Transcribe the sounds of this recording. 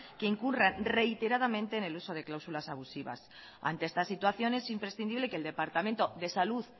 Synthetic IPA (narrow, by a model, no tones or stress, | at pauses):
ke̞iŋkurenre̞it̪e̞ɾað̞amẽnt̪e̞ːne̞luso̞ð̞e̞klawsulasaβusiβa̰s | a̰nt̪eest̪asit̪waθjo̞nesimpɾesθind̪iβle̞keld̪e̞paɾt̪ament̪o̞ðe̞saluð